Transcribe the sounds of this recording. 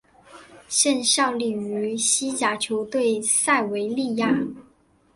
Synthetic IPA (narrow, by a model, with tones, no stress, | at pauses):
ɕɛ˥˧nɕjɑ˥˩ʊli˨˩ŋy˧˥ɕi˥t͡ɕja˧˥t͡ɕʰjo˧˥ʊt̪we˥˩ɪsa˥˩ɪwe˧˥ɪli˥˧ja˥˩